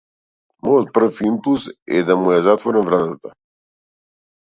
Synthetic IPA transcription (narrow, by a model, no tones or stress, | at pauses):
mɔjɔt̪̚pr̩fimpulˠsɛ̰d̪amujazat̪vɔɾɛnvɾat̪at̪a